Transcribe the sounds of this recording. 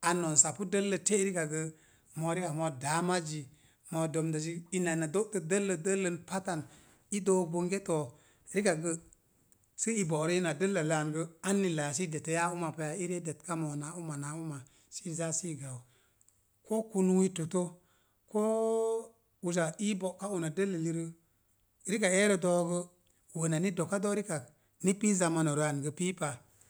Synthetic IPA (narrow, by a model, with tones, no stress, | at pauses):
a˨no˨nsa˨pu˦də˦lːə˨te˦ɾi˦ka˨ɡə˧ | mo˨ɾi˦ka˨mo˧da˨˦ma˦d͡ʒi˨ | mo˨do˨mda˨s̬i˦i˦na˨na˨do˦tə˨də˦lːə˨də˦lːə˨npa˦ta˨n | i˦do˦bo˨ŋɡe˦to˨˦ | ɾi˦ka˨ɡə˦ | sə˦i˨bo˨ɾo˦i˦na˨də˦lːə˨la˨nɡə˦a˦nːi˨la˨js̬i˦de˨te˨˦ja˦u˦ma˨pe˨ja˨i˦ɾe˦de˨t̚ka˦mo˨na˨˦u˦ma˨na˨u˦ma˨ | si˦za˦si˦ɡa˨w | ko˦ku˦nu˦wi˦to˨to˦ | koː˦ | u˨z̬a˨i˦bo˨ka˦u˨na˨də˦lːa˨li˨ɾə˦ | ɾi˦ka˨e˦ɾe˦do˦ɡə˦ | wə˨na˨ni˦do˨kːa˦do˦ɾi˦ka˨k | ni˦pi˦za˨ma˨no˨ɾa˨nɡə˨piː˦pa˨